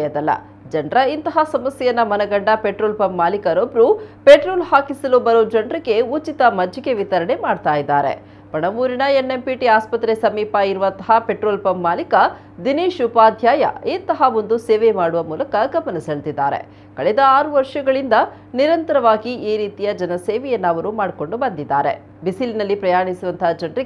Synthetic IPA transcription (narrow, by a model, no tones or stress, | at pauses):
jɐd̪ɐlːɐ̰ | d͡ʒɐɳɖɾɐint̪ɐɦasɐmɐsjɛjɐnːɐmɐnɐɡɐɳɖɐpeʈɾoːlpɐmːaːlikɐɾobɾupeʈɾoːlhaːkisɐlubɐɾoːd͡ʒɐɳɖɾɐɡe̞ut͡ʃit̪ɐmɐd͡ʒːɐɡe̞ʋit̪ɐɾɐɳe̞maːɖt̪aːjid̪ːa̰ːɾḛ | pɐɳɐmuːɾiɳɐenːempiʈiaːspɐt̪ɾesɐmiːpɐiɾuʋɐnt̪ɐɦɐpeʈɾoːlpɐmːaːlikɐ | d̪iniːʃupaːd̪ʱjaːjɐ̰eːnt̪ɐɦaʋond̪useːʋemaːɽuʋɐmuːlɐkɐɡɐmɐnɐsɐɭt̪id̪ːaːɾe̞̰ | kɐɭɛd̪ɐaːɾuʋɐɾʂɐɡɐɭind̪ɐ | niɾɐnt̪ɐɾɐʋaːɡiʔiːɾiːt̪ijɐd͡ʒɐnɐseːʋɛjɐnːɐʋɐɾumaːɽko̞ɳɖubɐnd̪id̪ːaːɾe̞̰ | bisilinɐlːipɾɐjaːɳisuʋɐnt̪ʰɐɦad͡ʒɐɳɖriɡe